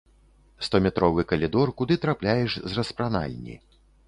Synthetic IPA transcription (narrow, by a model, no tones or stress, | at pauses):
st̪ɔmʲɛt̪ɾɔvɨkɐlʲid̪ɔrkud̪ɨt̪ɾaplʲajɛʂzrɐspɾana̰lʲnʲḭ